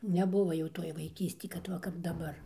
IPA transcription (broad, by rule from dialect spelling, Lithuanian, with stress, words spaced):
nʲɛˈbʊʋoː jɛʊ ˈtoːj ʋɐɪˈkʲiːsʲtʲɪ kɐt ˈʋɐ kɐp dɐˈbɐr